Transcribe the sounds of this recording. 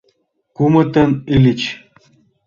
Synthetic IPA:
kumɤ̆t̪ɘ̆nilʲit͡ɕ

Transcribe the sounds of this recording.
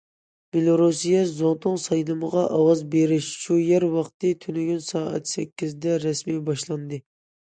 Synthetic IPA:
b̥elˠoɾusijɛzot̪ʰʊŋsɑjlˠɨməʁɑʔɑwɑzbeɾɪʃʃujɛɾwɑχt̪ɨt̪ʰynyɡʲynsɑːɛ̰t̪sɛkʲːizd̪ɛɾɛsmibɑʃlˠɑnd̪ɨ

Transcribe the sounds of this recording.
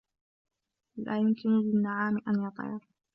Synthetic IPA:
la̰ːjʊmkɪnʊlɪnːaʕaːmɪʔanjɑt̪ˤɑ̰ɑɾ

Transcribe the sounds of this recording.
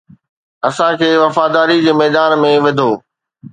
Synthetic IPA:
ɐsãkʰeːʋɐfaːd̪aːɾid͡ʑeːmɛːd̪aːnmẽʋɐd̪ʱoː

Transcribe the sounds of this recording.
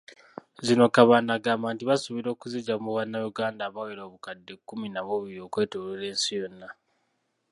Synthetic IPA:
zino̞kaβaːnaɡaːmbaːntiβasuβiɾo̞ːkuziɟamuβanːajuɡaːndaːβaweɾo̞ːβukadːekːuminaβuβiɾio̞kwe̞ːtolele̞ːnsijo̞nːa

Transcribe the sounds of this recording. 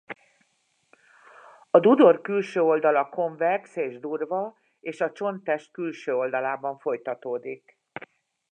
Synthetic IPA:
ɒd̪ud̪o̞rkylʃøːo̞ld̪ɒlɒko̞ɱvɛrkseːʒd̪uːrvɒ | eːʃɒt͡ʃo̞nt̪ɛʃt̪̚kylʃøːo̞ld̪ɒlaːbɒɱfo̞jt̪ɒt̪oːd̪ik

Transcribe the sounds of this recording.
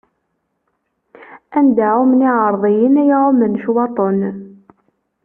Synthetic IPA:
ænd̪aʕumniʕəɾˤðˤijənæjʁomənʃwɑt̪ˤon

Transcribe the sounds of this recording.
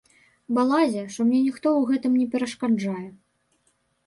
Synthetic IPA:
balˠazʲɛʂt̪ɔmnʲɛnʲixt̪ɔwɣɛt̪ɨmnʲɛpʲɛɾɐʂkad͡ʐajɛ

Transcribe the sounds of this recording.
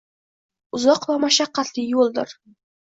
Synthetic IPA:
ʊzɒqvamaʃaqːɑt̪lɪjolˠd̪ɪ̰ɾ

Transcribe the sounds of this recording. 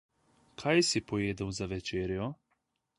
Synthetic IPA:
kʰajsipojeːd̪ɛwzaʋet͡ʃeːɾio

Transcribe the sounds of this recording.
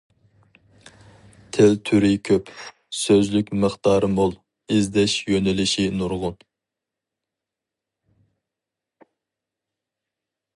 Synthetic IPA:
t̪ʰɪlt̪ʰyɾɪkʲʰøp | søzlykʲməχt̪ɑːɾɨmolˠ | ɪzd̪ɛʃjønɪlɪʃinuɾʁʊn

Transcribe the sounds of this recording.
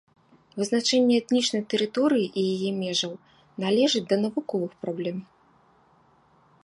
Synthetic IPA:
vɨznat͡ʂɛnʲːɛɛt̪nʲit͡ʂnɐjt̪ɛɾɨt̪ɔɾɨjiʔijajɛmʲɛʐɐw | nalʲɛʐɨt͡sʲd̪ɐnɐvukɔvɨxpɾablʲɛm

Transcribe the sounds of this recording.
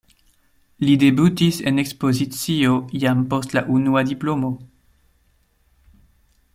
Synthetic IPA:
lidebutisenekspo̞zit͡siojampo̞stlaʔunuadiplomo

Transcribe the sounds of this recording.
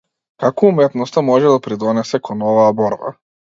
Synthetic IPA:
kakɔumɛt̪nɔst̪amɔʒɛd̪apɾid̪ɔnɛsɛkɔnɔvaːbɔɾba̰

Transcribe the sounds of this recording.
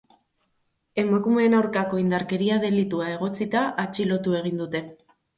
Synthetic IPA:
e̞makume̞ːnawɾkako̞ind̪aɾke̞ɾiaðe̞lit̪uae̞ɣ̞o̞t͡sit̪aʔat͡ʃilo̞t̪ue̞ɣ̞ind̪ut̪e̞

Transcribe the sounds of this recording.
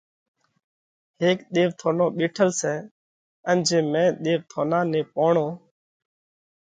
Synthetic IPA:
heːkɗ̪eːʋt̪ʰoːnõːɓeːʈʰəlsɛː | ənd͡ʒẽːmẽːɗ̪eːʋt̪ʰoːnãːnẽːpoːɳoː

